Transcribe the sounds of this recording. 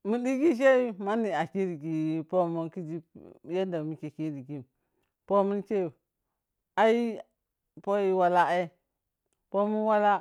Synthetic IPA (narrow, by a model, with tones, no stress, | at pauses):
mu˨di˦ɡi˦ʃ̬e˦ma˦ni˨a˨ki˦ɾi˨ɡi˨po˦mu˦nki˦d͡ʒi˦ja˦da˨mi˨ke˨ki˦ɾi˨ɡi˦m˨ | po˦mu˦nke˦˨ | a˦ji˦ | po˦ji˦wa˦la˦e˦ | po˦mu˦nwa˦la˦